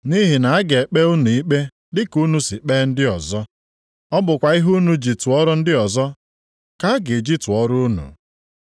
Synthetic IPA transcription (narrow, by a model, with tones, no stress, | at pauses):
ni˦ɦi˨na˨a˦ɡe˨k͡pe˦u˦nu˨i˦k͡pe˦ | dɪ˦ku˦nu˨si˨k͡peː˦n̩˦dɪ˦ɔ˨zɔ˦ | ɔ˦bʊ˨kʷa˨i˦ɦu˦nu˦d͡ʒi˨tu˨ɔ˦ɾʊ˦n̩˦dɪ˦ɔ˨zɔ˦ | ka˦a˦ɡe˨d͡ʒi˦tʊ˨ɔ˦ɾʊ˦u˦nṵ˨